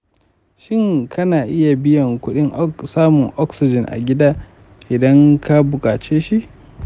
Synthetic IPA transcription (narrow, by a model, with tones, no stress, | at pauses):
ʃɪ˦ŋkʰɐ˦naː˨ʔɪ˦ja˨bɪ˦jɐ˨ŋkʷʊ˦ɗɪ˦ŋʔsaː˦mʊ˨ŋʔɔ˦ksɪ˨d͡ʒɪ˨nʔa̰˨ɡʲɪ˦daː˦ | ʔɪ˨dɐ˦ŋka˦bʊ˨kʼaː˨t͡ʃeː˦ʃi˦ʔ